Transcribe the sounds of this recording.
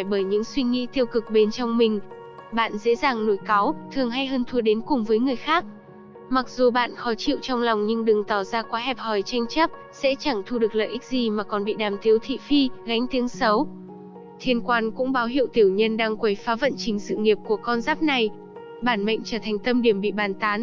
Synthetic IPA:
jɓəː˧˩jɲɨ̰˧˥ŋswi˧ŋḭ˧˥t̪i˧əwkɨ˨˩k̚ɓe˨˦nt͡ɕɔ˧wŋ͡mmï˨˩ŋ̟ | ɓa̰ː˧˨nzḛ˧˥zaː˨˩ŋno˧˩jka˨˦wt̪ʰɨ˨˩əŋɦa˧jɦəː˧nt̪ʰu˧əɗe˨˦nkʊ˨˩ŋ͡mvəː˨˦jŋɨ˨˩əjxaː˦˥k̚ | ma˨˩k̚zu˨˩ɓa̰ː˧˨nxɔ˨˦t͡ɕḭ˧˨wt͡ɕɔ˧wŋ͡mlɔ˨˩wŋ͡mɲɨ˧ŋɗɨ˨˩ŋt̪ɔ˧˩zaː˧kwaː˨˦ɦɛ˨˩p̚hɔ˨˩jt͡ɕa˧jŋ̟t͡ɕə˦˥p̚ | sɛ̰˧˥t͡ɕa˧˩ŋt̪ʰu˧ɗɨ˨˩ək̚lə̰ː˧˨ʔï˦˥k̚zi˨˩maː˨˩kɔ˨˩nɓḭ˧˨ɗaː˨˩mt̪ʰi˨˦əwt̪ʰḭ˧˨fi˧ɣa˨˦jŋ̟t̪i˨˦əŋsə˨˦w | t̪ʰi˧ənkwaː˧nkʊ̰˧˥ŋ͡mɓaː˨˦wɦḭ˧˨wt̪i˧˩əwɲə˧nɗaː˧ŋkwə˨˦jfaː˨˦və̰˧˨nt͡ɕï˨˦ŋ̟sɨ̰˧˨ŋi˨˩əp̚ku˧˩əkɔ˧nzaː˦˥p̚na˨˩j | ɓaː˧˩nmə̰˧˨ŋ̟t͡ɕəː˧˩t̪ʰŋ̟t̪ə˧mɗi˧˩əmɓḭ˧˨ɓaː˨˩nt̪aː˨˦n

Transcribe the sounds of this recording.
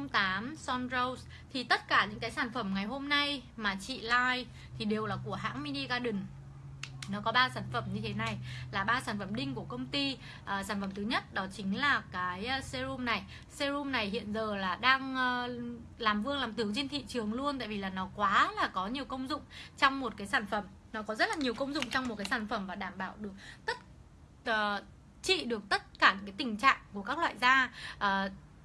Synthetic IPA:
ŋ͡mt̪aː˨˦msɔ˧nzə˧ws | t̪ʰi˨˩t̪ə˦˥t̚kaː˧˩ɲɨ̰˧˥ŋkaː˨˦jsaː˧˩nfə˧˩mŋa˨˩jɦo˧mna˧jmaː˨˩t͡ɕḭ˧˨laː˧j | t̪ʰi˨˩ɗe˨˩wlaː˨˩ku˧˩əɦa̰ː˧˥ŋmi˧ni˧ɣaː˧ɗɨ˨˩n | nɔ˨˦kɔ˨˦ɓaː˧saː˧˩nfə˧˩mɲɨ˧t̪ʰe˨˦na˨˩jlaː˨˩ɓaː˧saː˧˩nfə˧˩mɗï˧ŋ̟ku˧˩əkə˧wŋ͡mt̪i˧ | ʔːsaː˧˩nfə˧˩mt̪ʰɨ˨˦ɲə˦˥t̚ɗɔ˨˦t͡ɕï˨˦ŋ̟laː˨˩kaː˨˦jse˧zu˧mna˨˩j | se˧zu˧mna˨˩jhḭ˧˨ənzəː˨˩laː˨˩ɗaː˧ŋː˧ | laː˨˩mvɨ˧əŋlaː˨˩mt̪ɨ˨˦wt͡ɕe˧nt̪ʰḭ˧˨t͡ɕɨ˨˩əŋlu˧ənt̪a̰ː˧˨vi˨˩laː˨˩nɔ˨˦kwaː˨˦laː˨˩kɔ˨˦ɲi˨˩əwkə˧wŋ͡mzʊ̰˧˨ŋ͡mt͡ɕɔ˧wŋ͡mmo˨˩t̚kaː˨˦jsaː˧˩nfə˧˩m | nɔ˨˦kɔ˨˦zə˦˥t̚laː˨˩ɲi˨˩əwkə˧wŋ͡mzʊ̰˧˨ŋ͡mt͡ɕɔ˧wŋ͡mmo˨˩kaː˨˦jsaː˧˩nfə˧˩mvaː˨˩ɗaː˧˩mɓa̰ː˧˨wɗɨ˨˩ək̚t̪ə˦˥t̚ | ʔəː˨˩ | t͡ɕḭ˧˨ɗɨ˨˩ək̚t̪ə˦˥t̚kaː˧˩ɲ˨kaː˨˦t̪ï˨˩ŋ̟t͡ɕa̰ː˧˨ŋku˧˩əkaː˦˥k̚lwa̰ː˧˨jzaː˧ʔəː˨˩

